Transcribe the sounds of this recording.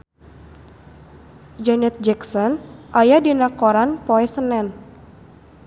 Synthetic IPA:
d͡ʒɛnɛt̪̚d͡ʒɛksɔnʔajadinakɔɾanpɔɛsənɛn

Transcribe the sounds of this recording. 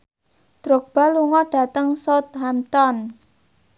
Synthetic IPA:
d̪̥ɾoɡ̚b̥a̤luŋɔɖ̥a̤t̪əŋsot̪̚ɦamt̪ɔn

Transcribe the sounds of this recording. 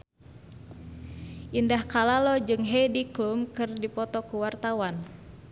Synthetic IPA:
ʔindahkalalɔd͡ʒɨŋɦɛjdiklumkɨrdipɔt̪ɔkuwart̪awan

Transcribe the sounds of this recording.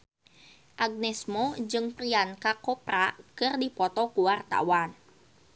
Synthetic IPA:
ʔaɡ̚nɛsmɔd͡ʒɨŋpɾiankakɔprakɨrdipɔt̪ɔkuwart̪a̰wan

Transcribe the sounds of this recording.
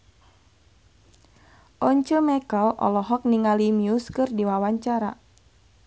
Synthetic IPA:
ʔɔɲt͡ʃəmɛkəlʔɔ̰lɔɦɔk̚niŋalimiuskɨrdiwawaɲt͡ʃaɾa

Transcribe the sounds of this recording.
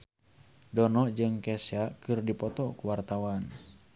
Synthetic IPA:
dɔnɔd͡ʒɨŋkɛsakɨrdipɔt̪ɔkuwart̪awan

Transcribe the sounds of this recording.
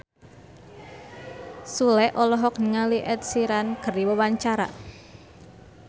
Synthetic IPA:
sulɛʔɔlɔɦɔk̚nəŋaliʔɛt̪̚siɾankərdiwəwaɲt͡ʃaɾa̰

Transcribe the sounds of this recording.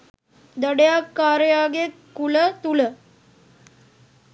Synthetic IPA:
d̪əɽjakːaːɾjaɡe | kulət̪ulə

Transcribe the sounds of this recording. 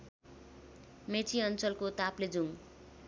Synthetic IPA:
met͡sʰiʌnt͡sʌlkot̪apled͡zuŋ

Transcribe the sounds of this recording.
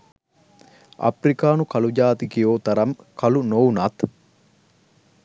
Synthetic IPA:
ɐ̰pɾikaːnukɐlud͡ʒaːt̪ikijoːt̪ɐɾɐmkʰɐlunounɐt̪

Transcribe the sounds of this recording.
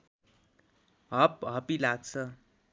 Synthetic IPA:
ɦʌp̚ɦʌpilaɡt͡sʰʌ

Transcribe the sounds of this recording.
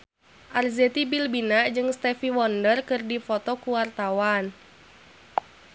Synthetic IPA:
ʔarzɛt̪ibilbinaʔd͡ʒɨŋst̪ɛfiwɔndərkɨrdifɔt̪ɔkuwart̪awan

